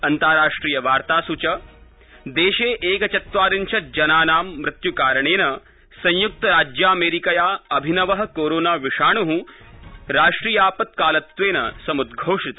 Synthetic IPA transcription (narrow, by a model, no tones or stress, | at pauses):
ɐnt̪aːɾaːʂʈɾiːjɐʋaːɾt̪aːsut͡ʃɐ | d̪eːʃeːʔeːkɐt͡ʃɐt̪ʋaːɾint͡ʃʰɐd͡ʒɐnaːnaːmːɾɪt̪jukaːɾɐɳ̃eːnɐ | sɐ̃ɲjuk̚t̪ɐɾaːd͡ʒjaːɐmeːɾikɐjaːɐbʱinɐʋɐɦɐkoːɾoːnaːʋiʂaːɳuɦũ | ɾaːʂʈɾiːjaːpɐt̪̚kaːlɐt̪ʋeːnɐsɐmud̪ɡʱoːʂit̪